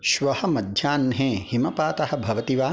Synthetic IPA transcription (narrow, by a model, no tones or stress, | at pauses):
ʃʋɐhɐ̆mɐd̪ʱjaːnɦẽːhimɐpaːt̪ɐhɐ̆bʱɐʋɐt̪iʋaː